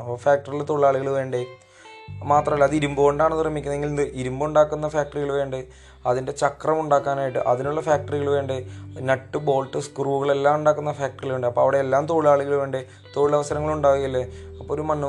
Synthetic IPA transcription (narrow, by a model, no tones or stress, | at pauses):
faːk̚ʈɐrilt̪o̞ːɭɭaːɭiɣɐɭʋe̞ːɳɖɨ | maːt̪rɐmɐlːɐːðiɾumbɨoɳɖaːɳɐnːrɐmːikʲːunɐeŋɡilnɨʔiɾumbuɳɖaːkːunːɐfaːk̚ʈɐriɣɐɭʋe̞ːɳɖɨ | ɐðinde̞t͡ɕɐkrɐmuɳɖaːkːaːnaːjiʈːɨ̰ʔɐðinuɭːɐfjaːk̚ʈɐriɣɐɭʋe̞ːɳɖɨnɐʈːɨbo̞ːlʈːɨskruːɣɐɭe̞lːaːmuɳɖaːkːunːɐfaːk̚ʈɐrilʋe̞ːɳɖɨɐpːoːɐʋiɽe̞elːaːmt̪o̞ːɻɭaːɭiɣɐɭʋe̞ːɳɖɨ | t̪o̞ːɻiɭɐʋɐsɐɾɐŋːɐɭuɳɖaːijɐlːeɐpːoːɾumɐnːu